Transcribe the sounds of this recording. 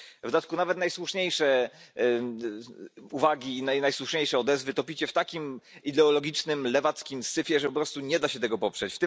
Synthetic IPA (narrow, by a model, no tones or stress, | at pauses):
vd̪at̪̚kunavɛt̪najswuʂɲejʂɛ | uvaɡʲiːnajnajswuʂɲejʂɛɔd̪ɛzvɘt̪ɔpʲit͡ɕɛft̪akʲimid̪ɛɔlɔɡʲit͡ʂnɘmlɛvat̪skʲimsɘfʲjɛʐɛpɔpɾɔst̪uɲɛd̪aɕɛt̪ɛɡɔpɔpʂɛt͡ɕft̪ɘ